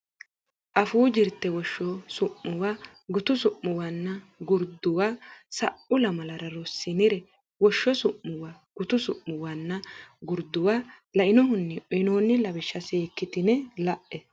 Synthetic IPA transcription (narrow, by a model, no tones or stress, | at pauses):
ʔɐfuːd͡ʒɪɾt̪ːɛwɔʃːɔsʊʔːʊwa | ɡʊt̪ʊsʊʔːʊwanːɐ | ɡʊɾd̪ʊwaːsɐʔʊlɐmɐlɐɾɐɾɔsːɪnɪɾɛ | wɔʃːɔsʊʔːʊwa | ɡ̥ʊt̪ʊsʊʔːʊwanːɐɡʊɾd̪ʊwaː | lɐʔɪnɔɦʊnːɪʔɔɪnoːnːɪlɐbɪʃːɐseːkːɪt̪ɪnɛlɐʔɛ